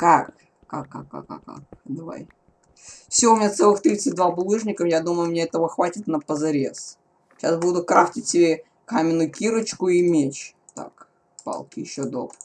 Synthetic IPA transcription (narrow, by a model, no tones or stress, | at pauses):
kak | kakːa̰kːa̰kːa̰ka̰kd̪ɐva̰j | fsʲoʊmʲnʲat̪sɛlˠɨxt̪ɾʲit̪sɨt̚ʲd̪vabʊlˠɨʐnʲɪkəfjad̪uməjʊmʲɪnʲeɛt̪əvəxvatʲɪt̪nəpəzɐɾʲes | ɕa̰sbud̪ʊt̪̚kɾaftʲɪt̚ʲsʲɪbʲe | kamʲɪnːʊjʊkʲiɾɨt͡ɕkʊimʲet͡ɕ | t̪a̰k | pa̰lˠkʲɪjɪɕːod̪o̞̰p